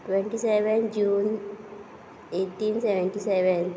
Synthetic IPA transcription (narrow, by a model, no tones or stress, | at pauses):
ʈʋẽɳʈiseʋend͡ʒuːn | eːʈːiːnseʋɛ̃ɳʈiseʋen